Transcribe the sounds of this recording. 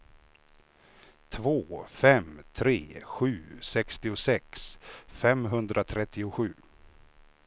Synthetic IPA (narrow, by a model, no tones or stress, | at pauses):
t̪ʰvoːfɛmt̪ʰɾḛːɧʉ̟ːsɛkst̪ɪʊsɛksfɛmɦɵnd̪ɾʔat̪ʰɾɛt̪ʰːɪʊɧʉ̟ː